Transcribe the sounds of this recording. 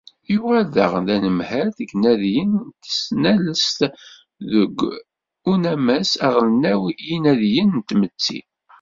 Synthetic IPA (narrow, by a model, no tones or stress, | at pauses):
juʁæðə̰ʁðænəmhæɾθəɡnæðjənt̪ə̥snæləst̪ | ðəɡʷː | unæmæsæʁələnæwijinæðjənnt̪mət͡sːḭ